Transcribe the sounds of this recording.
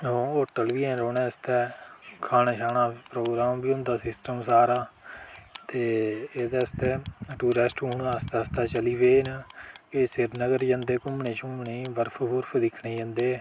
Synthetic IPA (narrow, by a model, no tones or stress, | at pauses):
oːoːʈəlʋiːɛ̃ːɾoːnɛ̃ːəst̪ɛːkʰaːnaːʃaːɳaːpɾoːɡɾaːmbiːʊ̃nd̪aːsɪsʈəmsaːɾaː | t̪eːeːd̪aːəst̪ɛːʈuːɾeːsʈuːnaːst̪ɛːəst̪ɛːt͡ʃəliːʋeːnəkesɪɾnəɡəɾd͡ʒə̃ːnd̪eːkʊmɳẽːt͡ʃʊmneːʋəɾpʰbʊɾpʰd̪ɪkʰneːjə̃nd̪eː